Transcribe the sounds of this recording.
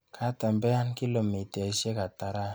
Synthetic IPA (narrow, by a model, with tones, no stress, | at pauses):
kʰa˨˦ta˨m˨bɛ˦a˦nki˦lo˨me˨te˨se˦ka˨ta˨ɾa˦